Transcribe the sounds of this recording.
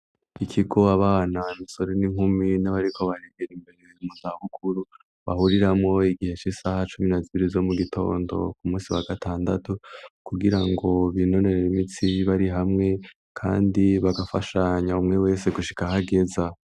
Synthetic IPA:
ikʰiɡo̞aβaːnaimiso̞ɾe̞niŋhuminaβaɾikʰo̞βaɾeɡeɾimbeɾeumuzaβukʰuɾu | βahuɾiɾamŋo̞iɡihe̞t͡ʃisahat͡ʃuminaziβiɾizo̞muɡitʰo̞̰ːndo̞̰kumuːsiwaɡatʰaːndatukuɡiɾaŋɡo̞βino̞ne̞ɾeimit͡siβaɾiɦamŋe̞ | kʰa̰ːndiβaɡafaʃaɲaumŋe̞we̞ːse̞ɡuʃi̥kaɦaɡe̞za

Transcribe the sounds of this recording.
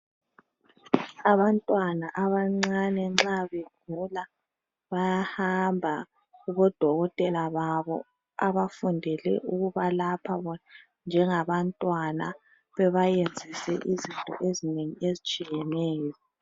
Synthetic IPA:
aβantʼwanaʔaβaŋ͡ǀanɛŋ͡ǁaβeɡ̥ʱula | βajahambʱa | ɣuβɔd̥ʱɔɣɔtʼɛlaβaβɔ̰ | aβafundʱɛlɛ̰ʔuɣuβalapʰaβɔna | nd͡ʒʱɛŋaβantʼwana | βɛβajend͡zʱisɛ̰ʔizintʼɔ̰ʔezineŋiezit͡ʃʼijɛnɛːjɔ

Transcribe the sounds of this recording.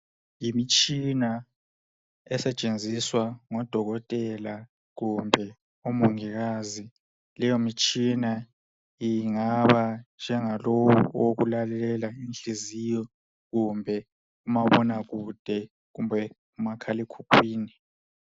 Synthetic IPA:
jimit͡ʃʼina | ɛsɛt͡ʃʼend͡zʱiswaŋɔd̥ʱɔɣɔtʼɛla | ɣumbʱɛ | omuŋiɣazi | lɛjomit͡ʃʼina | iŋaβand͡ʒʱɛŋalowṵoɣṵlalɛlɛlainɬizijɔ | ɣumbʱɛ | umaβɔnaɣud̥ʱɛ | ɣumbʱɛ | umakʰalikʰukʰwiːni

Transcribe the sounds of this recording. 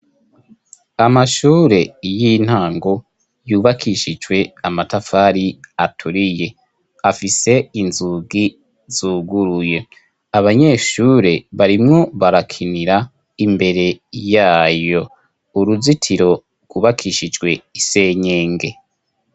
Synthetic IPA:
amaʃuːɾe̞jin̥haːŋɡo̞ | juːβakʰiʃid͡ʒɡwe̞amatafaɾiatʰuɾije̞ | afise̞inzuɡi | zuːɡuɾuje̞ | aβaɲe̞ːʃuːɾe̞βaɾimŋo̞βaɾakʰiniɾa | imbe̞ɾe̞jaːjo̞ | uɾuzitʰiɾo̞ | ɡ̥uβakʰiʃid͡ʒɡwe̞ise̞ːɲeːŋɡe̞

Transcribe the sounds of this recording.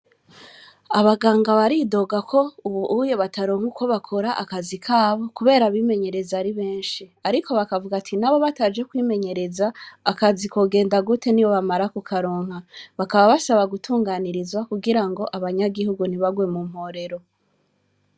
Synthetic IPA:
aβaɡaːŋɡaβaɾido̞ɡakʰo̞uβuʔujeβataɾo̞ːŋhuko̞βakʰoɾaʔakazikʰaːβo̞kuβe̞ːɾaβime̞ɲe̞ɾe̞zaɾiβe̞ːnʃiaɾikʰo̞βakavuɡatʰinaβo̞βataːd͡ʒe̞kwiːme̞ɲe̞ɾe̞zaːkazikoɡe̞ːndaɡute̞niwo̞βamaɾakukʰaɾoːŋhaβakaβaβasaβaɡutʰuːŋɡaːniɾizwakuɡiɾaŋɡo̞ʔaβaɲaɡihuɡun̥iβaɡwe̞mum̥ho̞ɾe̞ɾo̞

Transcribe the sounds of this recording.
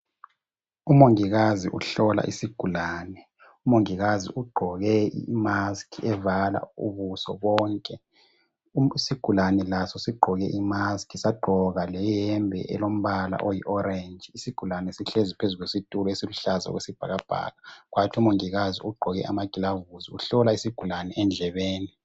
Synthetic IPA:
umoŋiɣaziʔuɬɔla̰ʔisiɡ̥ʱulaːnɛ | umoŋiɣazḭʔuɡ͡ǃʱɔɣɛimaskʰiɛvala̰ṵβusɔ̰βɔːŋkʼɛ | siɡ̥ʱulanɛlasɔsiɡ͡ǃʱɔɣɛʔimaskʰisaɡ͡ǃʱɔɣalɛjɛmbʱɛ̰ʔɛ̰lom̩βala̰ʔojḭʔɔɾend͡ʒisiɡ̥ʱulanɛsiɬezipʰezuɣesitʼulɔesiluɬazaɔ̰ɣwesib̥ʱaɣab̥ʱa̰ːɣaɣwatʰiumoŋiɣazḭuɡ͡ǃʱɔɣɛʔa̰maɡ̥ʱilavuziuɬɔlaisiɡ̥ʱulanɛʔɛnd͡ɮʱɛβeːni

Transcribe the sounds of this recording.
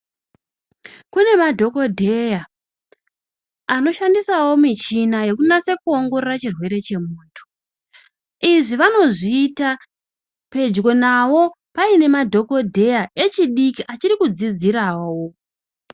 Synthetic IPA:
kune̞madʱo̞ko̞dʱe̞ja | no̞ʃandisawo̞mit͡ʃinaje̞kunase̞kuo̞ŋɡo̞rerat͡ʃirwe̞ɾe̞t͡ʃe̞muːntʰu̥ | iʐiʋano̞ʐiːta | pe̞d͡ʒɡo̞naʋo̞ | paine̞madʱo̞ko̞dʱe̞jaʔe̞t͡ʃiɗikiʔat͡ʃiɾikud͡zid͡ziɾawo

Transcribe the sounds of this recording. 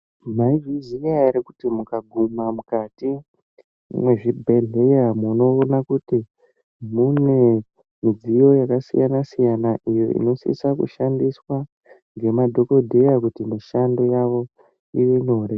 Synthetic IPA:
maivizijaiɾikutimukaɡʱumamukati | mwe̞ʐibʱe̞ɮe̞jamuno̞ːnakuti | mune̞ | mid͡zijo̞jakasḭjanasijanaʔijo̞̰ḭno̞sḭsakṵʃandiswa | ŋɡe̞madʱo̞ko̞dʱe̞jakutimiʃando̞jaʋo̞ | iʋeɲo̞ɾe

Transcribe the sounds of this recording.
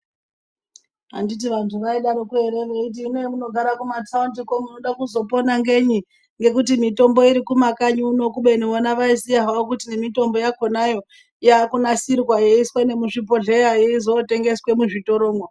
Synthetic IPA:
a̰ndit̬iʋantʰuʋaiɗaɾokueɾe̞ʋeit̬iːnemuno̞ɡʱaɾakumatauntikomuno̞ɗakuzo̞po̞naŋɡe̞ɲi | ŋɡe̞kutimito̞mbo̞iɾikumakaɲuːno̞kuɓenoonaʋaisijaɦaokutinemito̞mbo̞jako̞najo̞ | jakunasirkwajeiswene̞muʐipo̞ɮe̞jajeizote̞ŋɡe̞swe̞muʐito̞ɾoːŋɡwo

